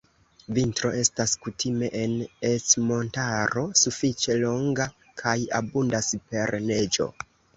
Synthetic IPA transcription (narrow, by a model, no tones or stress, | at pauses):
vintɾo̞e̞staskutʰime̞ʔenet͡smo̞ntaɾo̞sufit͡ʃe̞lo̞ŋɡa | kʰaja̰bundaspe̞ɾne̞d͡ʒo̞̰